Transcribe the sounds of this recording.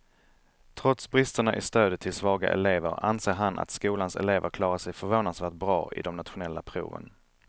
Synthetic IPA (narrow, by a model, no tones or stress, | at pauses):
t̪ʰɾɔt̪sbɾɪst̪əɳaʔɪst̪øːd̪ət̪ʰɪlsvɑːɡa̰ʔɛleːvə̰ɾa̰nseːɾɦana̰t̪skuːlansɛ̰leːvəɾkʰlɑːɾaʂɛjfœɾvoːnad̪svæːʈ̚bɾɑ̰ːʔɪ̰d̪ɔmnat̪ɧʊnɛlːapʰɾṵːvə̰n